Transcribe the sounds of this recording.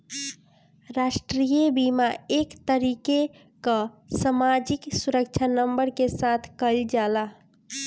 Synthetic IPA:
ɾasʈɾijebimaekt̪əɾike | kə | samad͡ʒiksuɾək̚t͡ʃʰanəmbəɾkesat̪ʰkəld͡ʒala

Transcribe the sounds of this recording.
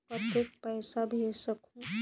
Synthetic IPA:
pɾət̪jek̚pəjsabʱesəkʰũ

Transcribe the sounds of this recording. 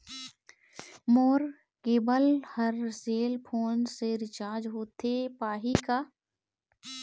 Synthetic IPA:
moːɾ | keːbəlhəɾseːlpʰoːnseɾɪt͡ʃaːɾd͡ʒɦoːt̪ʰepaːɦikaː

